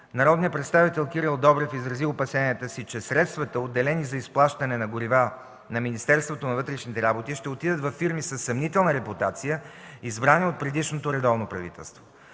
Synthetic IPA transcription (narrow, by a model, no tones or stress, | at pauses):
nɐɾɔd̪niəpɾɛt̪st̪avit̪ɛlˠkiɾilˠd̪ɔbɾɛfizɾɐziʊpɐsɛniət̪əsit͡ʃɛsɾɛt̪st̪vɐt̪əod̪ːɛlɛnizɐisplˠaʃt̪ənɛnɐɡʊɾiva | nɐminist̪ɛɾst̪vot̪onɐvɤt̪ɾɛʃnit̪ɛɾabot̪iʃt̪ɛot̪id̪ət̪vɐfːiɾmisəsːɐmnit̪ɛlˠnəɾɛput̪at̪sijəizbɾaniot̪̚pɾɛd̪iʃnot̪oɾɛd̪ɔvnopɾɐvḭt̪ɛ̰lˠst̪vo